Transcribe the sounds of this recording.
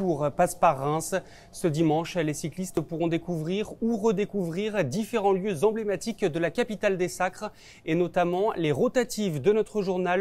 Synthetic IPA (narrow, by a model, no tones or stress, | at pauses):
uʁpaspaʁːɛ̃s | səd̪imɑ̃ʃlesiklist̪puʁɔ̃d̪ekuvʁiʁuʁəd̪ekuvʁiʁd̪ifeʁɑ̃ljøzɑ̃blemat̪ikd̪əlakapit̪ald̪esakχ | enɔt̪amɑ̃leʁot̪at̪ivd̪ənɔt̪χəʒuʁnal